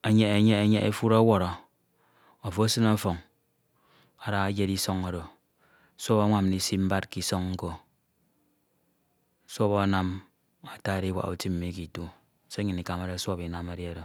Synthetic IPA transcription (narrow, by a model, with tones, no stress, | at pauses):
e˨ɲe˨e˨ɲe˦e˦˨ɲe˦ʔḛ˦fu˦ɾa˦wɔ˨ɾɔ˨ | o˨fo˨˦sɨ˦na˦fo˨ŋ | a˨ɾa˦ɣa˦d͡ʒe˦ɾi˦sɔ˦ŋa˨ɾo˨˦ | so˦βa˦ŋʷa˦mni˨si˦m̩˦ba˦t̚ki˨so˦ŋŋ̩˦ko˦ | sʷo˦ba˦na˦m | a˨ta˦˨ɾi˦wa̰˨ʔṵ˨ti˦m̩˨mi˨˦ki˨tu˦ | se˦ɲi˨ni˨ka˨ma˨ɾe˦sʷo˦˨bi˨na˨me˨ɾi˦e˦ɾo˨